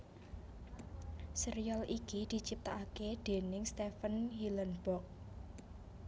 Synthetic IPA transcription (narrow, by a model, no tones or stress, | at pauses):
siɾialʔikid̪̥i̤t͡ʃip̚t̪aʔaked̪̥e̤nɪŋst̪efənhilənb̥ɔk̚